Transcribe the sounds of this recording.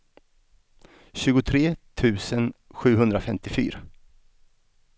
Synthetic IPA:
ɕʉ̟ːɡʊt̪ʰɾeːt̪ʰʉ̟ːsənɧʉ̟ːɦɵnd̪ɾafɛmt̪ɪfy̰ːɾa

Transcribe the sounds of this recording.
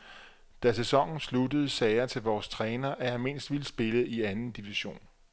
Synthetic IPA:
d̥æsesɒ̽ŋ̰n̩sludəð̞̩ˠsɛɪɐt͡sʰe̝lʋɒːst͡sʰʁɛːnɐʔæjɑ̈ɪme̝n̰sd̥ʋiləsb̥e̝ləʔiænn̩d̥iʋiɕo̝̰ːn

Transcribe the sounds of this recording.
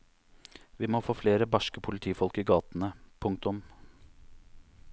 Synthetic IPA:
ʋiːmoːfoːfleːɾəbɑʃkəpʰʊlɪt̪ʰiːfɔlkiːɡɑːt̪n̩əpʰʊŋk̚t̪ʊm

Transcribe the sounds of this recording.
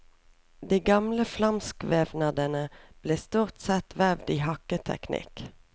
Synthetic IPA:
d̪iːɡɑmləflɑmskʋeːʋnɑd̪ənəb̥leːst̪uːʁt̪sɛt̪ʋæʋd̪iːhɑkət̪ʰɛ̰knʔɪ̰k

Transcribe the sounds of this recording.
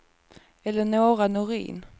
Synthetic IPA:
ɛlːəɳoːɾanʊɾḭːn

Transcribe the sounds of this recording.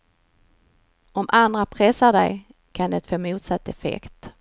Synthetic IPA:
ɔmʔand̪ɾapʰɾɛsaɖɛ̰j | kʰand̪ɛt̪foːmuːt̪sat̪ːɛfɛ̰kt̪

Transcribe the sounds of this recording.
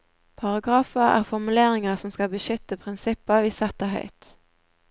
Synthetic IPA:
pʰɑʁɑɡʁɑːfəʁæ̰ːʁfɔʁmʉleːʁɪŋəʁsɔmskɑlbəʃʏt̪ːəpʰʁɪnsɪpːəʋiːsɛt̪əɦhœ̰ʏt̪

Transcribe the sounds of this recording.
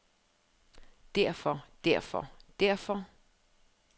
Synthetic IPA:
d̥æɐ̰fɒd̥æɐfɒ̰d̥æɐ̰fɒ

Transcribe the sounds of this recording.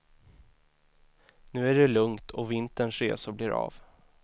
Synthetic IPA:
nʉ̟ːæɖɛlɵŋt̪ʰɔvɪnt̪əɳʂɾeːsʊblɪɾɑ̰ːv

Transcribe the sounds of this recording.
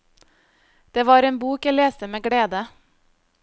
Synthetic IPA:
d̪̥eːʋɑːɾeːnbuːkæɪleːst̪əmeːɡɽeːd̪ə

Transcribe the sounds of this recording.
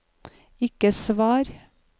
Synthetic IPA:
ɪkəsʋɑːɾ

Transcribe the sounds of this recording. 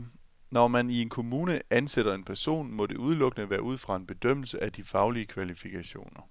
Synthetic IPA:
nɒmænie̝nkʰo̝muːnəʔænseɾ̥ɐe̝npʰæɐso̝̰ːnmɒ̽d̥e̝ʔuð̞ˠlɔ̽ɡ̥ənəʋæːɐʔuð̞̰ˠfʁɑ̈e̝nb̥e̝d̥øm̰l̩səʔæd̥ifɑ̈ʊliəkʰʋælifikʰæɕo̝̰ːnɐ

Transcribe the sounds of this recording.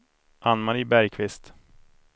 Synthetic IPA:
ʔanmaɾɪbæɾjkʰvɪst̪

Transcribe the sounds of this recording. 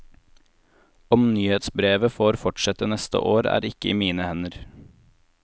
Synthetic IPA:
ɔmnyːheːt̪sbɾeːʋəfoːɾfɔʈʃɛt̪ənɛst̪ə̰ʔoːɾæ̰ːɾɪkəḭːmiːnəhɛnəɾ

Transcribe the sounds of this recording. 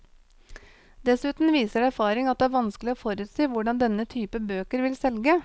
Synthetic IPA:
d̪ɛsʉːt̪n̩ʋiːsəɾæɾfɑːɾɪŋɑt̪̚d̪ɛæːɾʋɑnsklɪoːfɔɾʉːt̪siːʋʊɖɑnd̪ɛnːət̪ʰyːpəbøːkəɾʋɪlsɛlɡə

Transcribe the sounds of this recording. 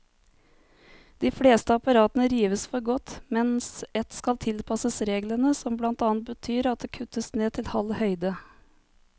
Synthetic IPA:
d̪̥iːfɽeːst̪əɑpɑɾɑːt̪ənəɾiːʋəsfɔɾɡɔt̪mɛnsɛt̪skɑlt̪ʰɪlpʰɑsəsɾeːɡlənəsɔmblɑnt̪ɑːnt̪̚bət̪ʰyːɾɑt̪̚d̪eːkʰʉt̪əsneːt̪ʰɪlhɑlhœʏd̪ə

